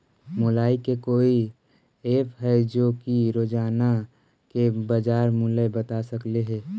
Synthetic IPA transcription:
molaːikekoːi | eːpɦɛd͡ʒoːkiɾoːd͡ʒaːna | kebəd͡ʒaːɾmulebət̪asəkleɦɛː

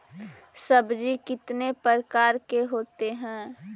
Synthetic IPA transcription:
sɐbd͡ʒikɪt̪nepəɾkaːɾkeɦoːt̪eɦɛ̃ː

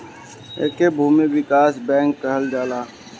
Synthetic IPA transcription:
ḛːkebʱuːmiʋɪkaːsbɛ̃ːŋkːəɦəld͡ʒaːlaː

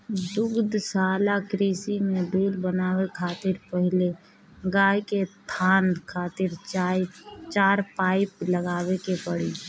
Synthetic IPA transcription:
d̪ʊɡd̪saːlakɾiːsimed̪uːlbənaːwekʰaːt̪ɪɾpəɦɪle | ɡaːjket̪ʰaːnkʰaːt̪ɪɾ | t͡ʃaːɾpaːɪpləɡaːbekepəɽḭ

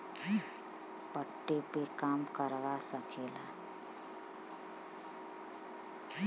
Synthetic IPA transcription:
pəʈːepekaːmkəɾʋasəkeːlaː

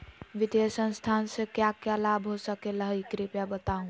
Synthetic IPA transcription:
ʋɪd̪jəsə̃nst̪ʰaːnsekjakjalaːbɦosəkeləɦikɾipjabət̪aːũ

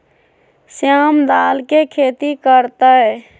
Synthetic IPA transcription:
sjaːmd̪aːlkekʰeːt̪ikəɾt̪ə

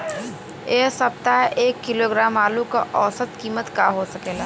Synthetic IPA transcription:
eːsɐpt̪aʔeːkːɪloɡɾaːmaːlukaʔɔːsət̪kiːmət̪kaɦosɐkeːlaː

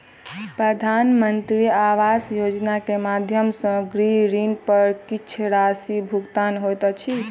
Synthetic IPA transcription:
pɾəd̪ʱanmənt̪ɾiaʋasjod͡ʒnakemad̪ʱjəmsə̃ɡɾiɾinpəɾkit͡ʃʰɾasibʱuɡt̪anɦojt̪t͡ʃʰi

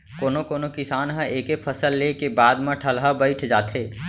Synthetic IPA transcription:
koːnokoːnokɪsaːnɦãʔeːkepʰɐsəlːeːkebaːd̪mãʈʰəlɦabɐɪʈʰd͡ʒaːt̪ɦeː

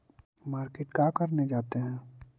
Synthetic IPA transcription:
maːɾkeːʈkaːkɐɾned͡ʒaːt̪eɦɛ̃ː

